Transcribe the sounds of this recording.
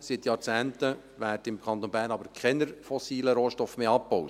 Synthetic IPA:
sɪt̪jɑːɾt͡sæːntə | ʋæːɾdɪmkʰχɑnt̪onbæːɾnɑbəɾkχɛnəɾfɔsiːləɾoːʃtɔfmeːɑpbɔwt

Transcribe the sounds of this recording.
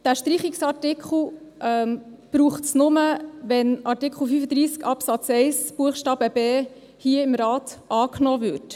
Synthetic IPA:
d̥æːʃtɾiχiksɑɾtɪkʰχl̩ˠ | ʔɛm | b̥ɾuːχtsnʊməʋɛnɑɾtikχl̩ˠfyfəd̪ɾiːskɑpsɑt͡sɛɪsb̥uəχʃtɑːbəb̥eː | hiəɪmɾɑːtɑːknɔːvʏɾt

